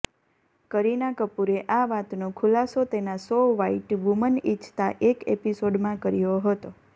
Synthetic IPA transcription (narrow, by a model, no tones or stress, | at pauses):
kəɾinakəpuɾeʔaʋat̪nõkʰulasot̪enasoʋaiʈʋumənit͡ʃʰt̪aʔekḛpisoɖmãkəɾijoɦət̪o